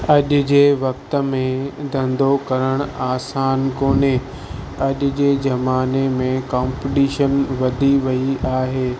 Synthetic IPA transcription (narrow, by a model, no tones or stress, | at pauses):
ɐʄʊ̆d͡ʑeːʋɐk̚t̪ə̆mẽd̪ʱɐ̃nd̪okɐɾəɽ̃aːsaːnkoːne | ɐʄʊ̆d͡ʑeːd͡ʑɐmaːnemẽkãːmpɖiːʃənʋɐd̪ʱiʋɐiʔaːɦeː